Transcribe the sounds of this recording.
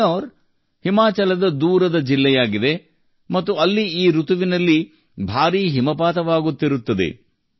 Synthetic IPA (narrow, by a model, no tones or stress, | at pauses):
oːɾ | himaːt͡ʃɐlɐd̪ɐd̪uːɾɐd̪ɐd͡ʒilːɛjaːɡid̪e̞ | mɐt̪ːuɐlːiiːɾut̪uʋinɐlːi | bʱaːɾiːɦimɐpaːt̪ɐʋaːɡut̪ːiɾut̪ːɐd̪e̞̰